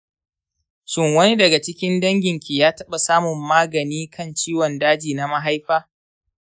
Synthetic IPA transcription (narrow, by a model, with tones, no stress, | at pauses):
ʃɪ˦˨ŋwɐ˦ni˦dɐ˨ɡa˨t͡ʃɪ˦kʲɪ˦ndɐ˦ŋɡʲɪ˨ŋkʲi˨jaː˦tɐ˦ɓa˨saː˦mʊ˨mːaː˦ɡɐ˨niː˦kʰɐ˦˨nt͡ʃiː˦wɔ˨ndaː˦d͡ʒiː˨na˦ma˦ɦa˦jɸaː˦